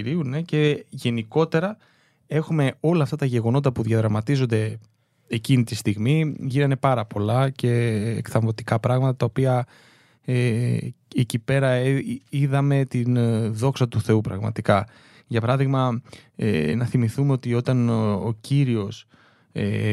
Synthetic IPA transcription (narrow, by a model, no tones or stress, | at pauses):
ɾiune̞ce̞ʝe̞niko̞t̪e̞ɾɐ | e̞xume̞o̞lɐːft̪ɐt̪ɐʝe̞ɣo̞no̞t̪ɐpuðjɐðɾɐmɐt̪izo̞nd̪e̞ | ecinit̪ist̪iɣmiʝinɐne̞pɐɾɐpo̞lɐce̞̰ːkθɐɱvo̞t̪i̥kɐpɾɐɣmɐt̪ɐt̪ɐopiɐ | e | ecipe̞ɾɐiðɐme̞t̪inðo̞ksɐt̪uθe̞upɾɐ̰ɣmɐ̰t̪ikɐ | ʝɐpɐɾɐðiɣmɐḛnɐθimiθumeo̞t̪io̞t̪ɐno̰ciɾio̞s | e